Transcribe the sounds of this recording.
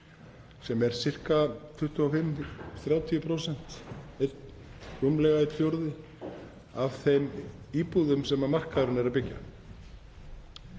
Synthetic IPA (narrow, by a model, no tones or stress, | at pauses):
sɛmɛɾ̥sɪr̥kat̪ʰʏht̪ʏafɪmːθɾjaːwt̪ʰijʏpʰɾowsɛn̥t̪et̪ | ʏmlɛɣaɪt̪θjowɾðɪ | av̥θejmiːpuðʏmsɛmamar̥kaðɾʏnɛɾapɪcːa̰